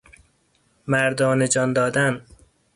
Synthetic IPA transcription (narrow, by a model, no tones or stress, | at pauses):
mæɾd̪ɒːned͡ʒɒnd̪ɒːd̪æn